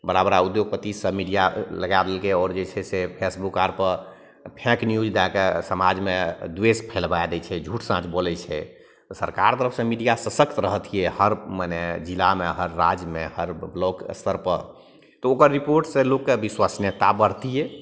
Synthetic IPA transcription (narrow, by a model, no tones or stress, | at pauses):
bəɾabɾaud̪joɡ̚pət̪isəmiɖijaləɡab̪elkeɔːɾd͡ʒet͡ʃʰɛsepʰesbukaɾpəɾ | pʰɛ̃knjud͡ʒd̪akesəmad͡ʒmed̪wespʰelbad̪ɛt͡ʃʰɛd͡ʒʱuʈʰsãt͡ʃbolɛt͡ʃʰɛ̰ | t̪ɔsəɾkaɾt̪əɾəpʰsẽmiɖijasəsəkʰt̪ɾəɦət̪ʰijɛhəɾmaned͡ʒilameɦəɾːad͡ʒmehəɾblɔɡ̰st̪əɾpəɾ | t̪ɔokəɾːipoɾʈsẽlokːebiswasnjət̪abəɾt̪ijɛ